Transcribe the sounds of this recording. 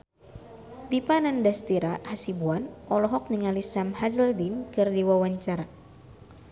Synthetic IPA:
t̪ipanandast̪iɾahasibuanɔlɔɦɔk̚niŋalisamhazəldinkɨrdiwawaɲt͡ʃaɾa

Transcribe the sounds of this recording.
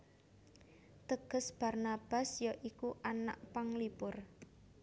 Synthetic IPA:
t̪əɡ̥ə̤sb̥a̤rnab̥a̤sjɔʔikuʔana̰ʔpaŋlipʊr

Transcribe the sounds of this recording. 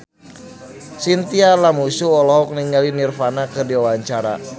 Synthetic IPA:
sint̪ialamusuɔlɔɦɔk̚niŋalinirfanakɨrdiwawaɲt͡ʃaɾa̰

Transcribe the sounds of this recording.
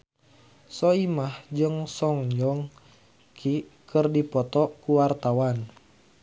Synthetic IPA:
sɔimahd͡ʒɨŋsɔŋjɔŋ | kʰikʰərdipɔt̪ɔkuwart̪awan

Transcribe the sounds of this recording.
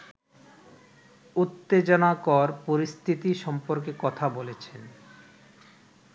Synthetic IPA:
ut̪ːed͡ʑonakɔɾpoɾist̪ʰit̪iʃɔmpoɾkekɔt̪ʰabolet͡ɕʰen

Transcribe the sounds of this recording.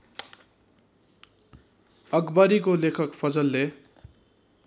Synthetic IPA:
ʌɡbaɾikolekʰʌkpʰʌd͡zʌlːe

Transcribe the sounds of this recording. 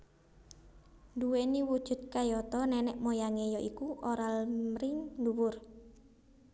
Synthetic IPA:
nduweniwud̥ʒ̥ṳt̪̚kajɔt̪ɔnɛnɛʔmojaŋejɔʔikuʔoɾalmɾɪŋduwʊr

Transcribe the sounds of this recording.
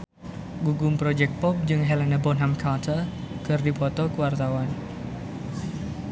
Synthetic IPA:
ɡuɡʊmpɾɔd͡ʒɛk̚t̪̚pɔp̚d͡ʒɨŋɦɛlanabɔnɦamkʰat̪ʰər | kɨrdipɔt̪ɔkəwart̪awan

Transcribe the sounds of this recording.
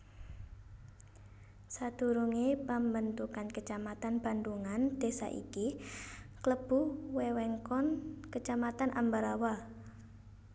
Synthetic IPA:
sad̪̥ṳɾuŋepambənt̪ukankət͡ʃamat̪anb̥a̤nd̪uŋand̪̥e̤sa̰ʔḭki | kləb̥uwewɛŋkɔnkət͡ʃamat̪anʔa̰mbaɾawa

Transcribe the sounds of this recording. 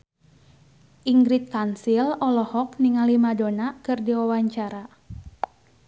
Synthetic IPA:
ʔiŋɡɾit̪̚kansilɔlɔhɔk̚niŋalimadonakɨrdiwawaɲt͡ʃaɾa

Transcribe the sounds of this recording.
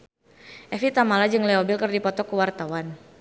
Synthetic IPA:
ʔɛfit̪amalad͡ʒɨŋlɛɔbilkərdipɔt̪ɔkuwart̪awan

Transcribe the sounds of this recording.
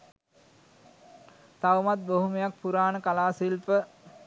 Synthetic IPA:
t̪aʋumat̪̚boɦuməjak̚puɾaːnəkalaːsilpə

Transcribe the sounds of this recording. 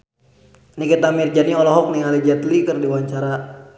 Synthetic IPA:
nikɛt̪amird͡ʒaniɔlɔɦɔk̚niŋalid͡ʒɛt̪likɨrdiwaɲt͡ʃaɾa

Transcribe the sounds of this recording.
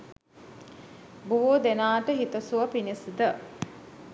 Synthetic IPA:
buʋoːd̪enaːʈəɦit̪ɐsuʋɐpinisd̪ə

